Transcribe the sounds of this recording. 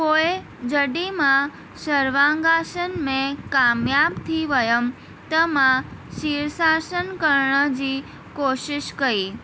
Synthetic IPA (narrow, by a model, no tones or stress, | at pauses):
poe | d͡ʒəɖimã | ʃəɾʋãŋɡaʃənmẽkamjabt̪ʰiʋəjəm | t̪əmãʃiɾsasənkəɾɳəd͡ʒi | koʃɪʃkəɾi